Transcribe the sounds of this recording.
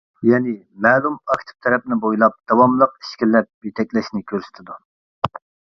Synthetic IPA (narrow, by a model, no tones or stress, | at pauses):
jɛnɪ | mɛːlˠumɑkʲt̪ʰɪ̥p̚t̪ʰɛɾɛp̚nɪbojlˠɑp̚d̪̥ɑwɑmlˠəqi̥ʃkʲilːɛp̚jet̪ʰɛkʲlɛʃnɪkʲʰøɾsɪ̥t̪ʰɪd̪u